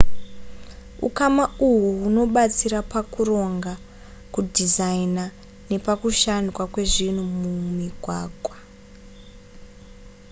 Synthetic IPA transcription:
ṵkamauɦuɦuno̞ɓat͡siɾapakuɾo̞ŋɡa | kudʱizaina | ne̞pakuʃankwakwe̞ʐin̤umumiɡʱwaːɡʱwa

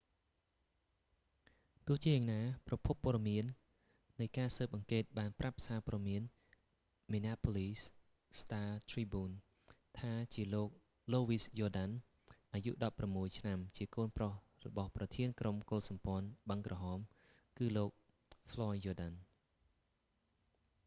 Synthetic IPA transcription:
t̪ʊ̆əht͡ɕiəjaːŋnaːprɑpʰupːoɔəɗɑmiənː | ɨjkaːsəːp̚ʔɑŋkeːt̪̚ɓaːnprap̚saːpɔɗmiən | minaːpʰoliːs | st̪aːt̪ʰriːbuːn | t̪ʰaːt͡ɕiəloːk̚ | loːʋiːsjɔːɗan | ʔaːjṵʔɗɑpːramːuəjt͡ɕʰnamt͡ɕiəkoːnproh | rɔ̰ɓɑhprɑt̪ʰiənkromkoːlsɑmpŏənɓəŋkrʔɑɦɑːm | kɨːloːk̚ | fʰlɔjːɔːɗan

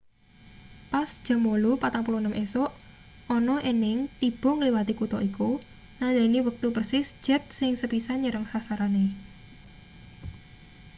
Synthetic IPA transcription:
pasd̥ʒ̥ə̤molupat̪aŋpulunəmʔesoʔ | ʔɔnɔʔinɪŋt̪ib̥ɔ̤ŋəliwat̪ikut̪ɔʔiku | nalɛ̤niwək̚t̪upərsɪsd͡ʒ̥ɛ̤t̪̚sɪŋsəpisaɲəɾəŋsasaɾane

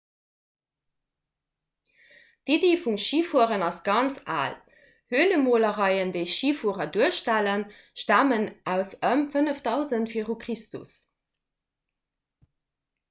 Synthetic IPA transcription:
dideːfuŋʃiːfuəʁənɑsɡɑnt͡sa̰ːl | høːələmoːləʁɑɪəndəɪʃiːfuəʁɐduəʃtælən | ʃtæːmənʔæʊsəmfənəfdɑʊzəntfiːʁukχistṵs

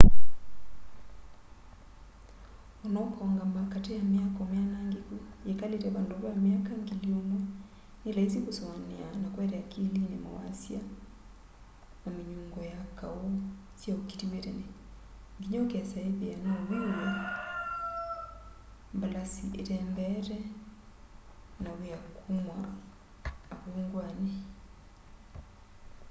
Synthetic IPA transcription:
ɔnɔkɔŋɡamakatɛjamiakɔmjanaŋɡikujekaletɛβandoβɔamiakaŋɡiliomwa | nelaisikosɔaneanakwɛɾɛjakilinɛma̰wa̰sja | namiɲuŋɡɔjakaɔ | sjaokitiweɾɛnɛ | ŋɡiɲɔkɛasaiβianawiwɛ | mbalasiʔeɾɛmbɛɾɛ | nawiakʰumwaː | βuŋɡwani

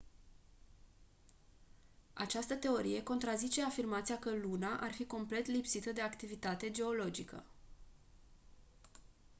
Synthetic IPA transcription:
a̰t͡ʃast̪ət̪e̞o̞ɾḭje̞ko̞nt̪ɾazit͡ʃe̞afirmat̪siakəlunaʔarfiko̞mple̞t̪lipsit̪əd̪e̞akt̪ivit̪at̪e̞d͡ʒe̞o̞lo̞d͡ʒikə̰

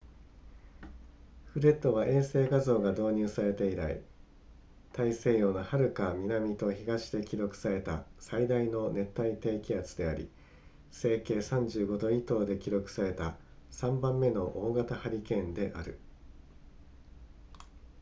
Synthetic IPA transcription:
ɸɯ̟ɾe̞t̪ːo̞βaʔẽ̞ɰ̃se̞ːɡazo̞ːɡad̪o̞ːɲ̟ɨːsaɾe̞t̪e̞iɾa̰ḭ | t̪aise̞ːjo̞ːnohaɾɯ̟kamʲinamʲit̪o̞çiɡaɕi̥d̪e̞kʲiɾo̞kɯ̥saɾe̞t̪asaid̪aino̞ne̞t̪ːait̪e̞ːkʲiat͡sɨ̥d̪e̞aɾʲḭ | se̞ːke̞ːsãɲ̟d͡ʑɨːɡo̞d̪o̞it̪o̞ːd̪e̞kʲiɾo̞kɯ̟̥saɾe̞t̪asãmbãmːe̞no̞ʔoːɡat̪ahaɾʲikẽ̞nd̪e̞ʔaɾɯ̟̰

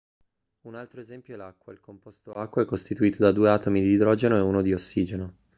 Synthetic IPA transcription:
unalt̪ɾoezɛmpjoɛlakːwailkompost̪oakːwaɛkːost̪it̪uiːt̪od̪ad̪uːeaːt̪omid̪iːd̪ɾɔːd͡ʒenoɛuːnod̪iosːiːd͡ʒeno

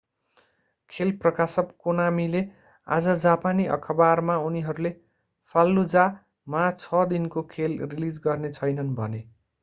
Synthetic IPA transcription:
kʰelprʌkasʌpkonamile | a̰d͡zʌd͡zapaniʔʌ̰kʰʌbarmauniɦʌɾule | pʰalːud͡za | mat͡sʰʌd̪inkokʰelrilid͡zɡʌrnet͡sʰʌjnʌnbʱʌ̰ne

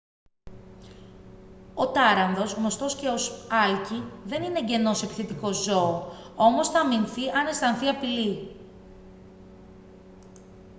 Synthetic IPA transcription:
o̞t̪ɐɾɐnðo̞zɣno̞st̪o̞sce̞o̞sɐlciðe̞nineɟe̞no̞sepi̥θet̪iko̞zo̞ːo̞mo̞sθɐminθiʔɐne̞st̪ɐnθiɐpili

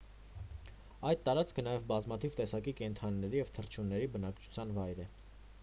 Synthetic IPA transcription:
ɑjd̪̚t̪ɑɾɑt͡skʰənɑjɛvbɑzmɑt̪ʰivt̪ɛsɑkikɛnt̪ʰɑnːɛɾijɛvt̪ʰəɾt͡ʃʰunːɛɾibənɑkt͡ʃʰu̥t͡sʰjɑnvɑjɾɛ

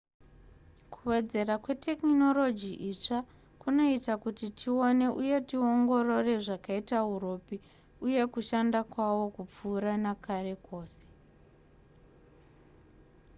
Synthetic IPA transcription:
kʰuwe̞d͡ze̞rakwe̞te̞kno̞lo̞d͡ʒiʔit͡ʂa | kuno̞itakutitʰio̞ne̞ʔuje̞tio̞ŋɡo̞ro̞re̞ʐakaitauro̞pi | uje̞kuʃandakwawo̞kup͡fuːɾanakare̞ko̞ːse̞̥

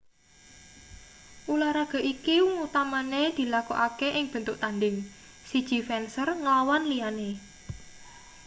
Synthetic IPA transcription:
ʔulaɾaɡ̥a̤ʔikiŋut̪amaned̪̥i̤lakuʔakeʔɪŋb̥ə̤nt̪ʊʔt̪anɖɪŋ | sid̥ʒ̥i̤fɛnsərŋəlawanliane

